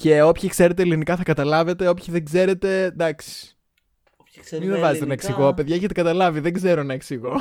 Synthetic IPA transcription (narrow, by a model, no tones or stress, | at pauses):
ce̞o̞pçikse̞ɾe̞t̪̬e̞elinikɐθɐkɐt̪ɐlɐve̞t̪e̞o̞pçiðeŋɡze̞ɾe̞t̪e̞d̪ɐksi̥ | mimevɐzet̪enɐeksiɣo̞pe̞ðʝɐeçet̪ekɐt̪ɐlɐviðeŋɡze̞ɾonɐeksiɣo̞